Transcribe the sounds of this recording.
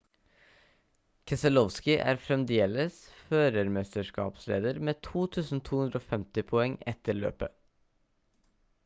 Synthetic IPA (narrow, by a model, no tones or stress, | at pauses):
kʰɛsəlɔʋskɪʔæ̰ːɾfɾɛmd̪eːləsføːɾəɾmɛst̪əʂkɑ̰ːpslḛːd̪əɾmeːt̪ʰuːt̪ʰʉːsn̩t̪ʰuːhʉnd̪ɾoːfɛmt̪ɪpʰɔɛŋɛt̪əɭø̰ːpə